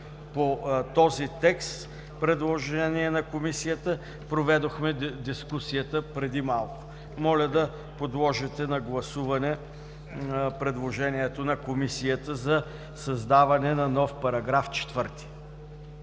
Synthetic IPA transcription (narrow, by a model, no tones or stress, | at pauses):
pot̪ɔzit̪ɛkst̪ | pɾɛd̪lˠoʒɛniɛnɐkomisijət̪ə | pɾovɛd̪oxmɛd̪iskusijət̪əpɾɛd̪imalˠkʊ̥ | mɔlʲəd̪ɐ | pod̪lˠɔʒɛt̪ɛnɐɡlˠɐsuvɐnɛ | pɾɛd̪lˠoʒɛniɛt̪onɐkomisijət̪əzɐ | sɐzd̪avɐnɛnɐnɔfpɐɾɐɡɾaft͡ʃɛ̥t̪vɤɾt̪i̥